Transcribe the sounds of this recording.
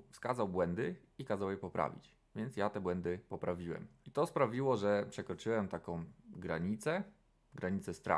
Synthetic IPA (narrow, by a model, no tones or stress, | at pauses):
fskazawbwɛnd̪ɘ | ikazawjɛpɔpɾʔa̰vʲḭt͡ɕ | vʲjɛnt̪sjat̪ɛbwɛnd̪ɘpɔpɾavʲiwɛ̰mit̪ɔspɾavʲiwɔʐɛpʂɛkɾɔt͡ʂɘwɛmt̪akɔ̃w̃ɡɾaɲit̪sɛ | ɡɾaɲit̪sɛst̪ɾa̰